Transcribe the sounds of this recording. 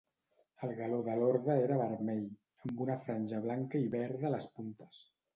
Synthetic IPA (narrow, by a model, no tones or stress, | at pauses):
əlˠɣəloðəloɾðəeɾəβəɾmɛʎ | əmbunəfɾanʲʒəβlaŋkəiβɛɾðələspunt̪ə̥s